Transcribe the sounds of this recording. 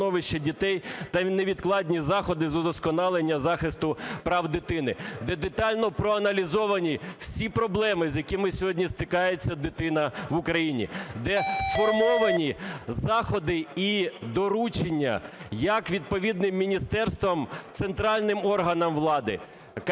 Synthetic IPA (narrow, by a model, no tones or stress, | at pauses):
nɔʋɪʃt͡ʃɛdʲit̪ɛjt̪ɐneʋʲid̪klˠɑdʲnʲizɑxɔd̪ɪzɔd̪ɔskɔnɑlˠenʲːɐzɑxɪst̪ʊpɾɑwd̪ɪt̪ɪnɪd̪ɛd̪et̪ɑlʲnɔpɾɔɐnɐlʲizɔʋɐnʲiwsʲipɾɔblˠɛmɪzjɐkɪmɪsʲɔɦɔdʲnʲist̪ɪkɑjet͡sʲːɐd̪ɪt̪ɪnɐʋʊkɾɐjinʲḭd̪ɛsfɔrmɔʋɐnʲizɑxɔd̪ɪid̪ɔɾut͡ʃenʲːɐ̰jɐkʋʲid̪̚pɔʋʲid̪nɪmːʲinʲist̪ɛrst̪ʋɐmt̪sent̪ɾɑlʲnɪmɔrɦɐnɐmʋlˠɑd̪ɪ̰